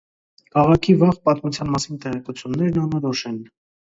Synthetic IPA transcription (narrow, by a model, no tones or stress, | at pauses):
kʰɑʁɑkʰivɑʁpɑt̪mut͡sʰjɑnmɑsint̪ɛʁɛkut͡sʰjunːɛɾnɑnɔɾɔʃɛn